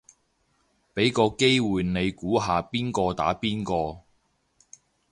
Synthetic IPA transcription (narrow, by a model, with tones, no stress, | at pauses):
pe˨˥jkɔː˧ke˥jwuː˨jne˨˧jkuː˨˥ɦaː˨piː˥nkɔː˧t̪a̰ː˨˥piː˥nkɔː˧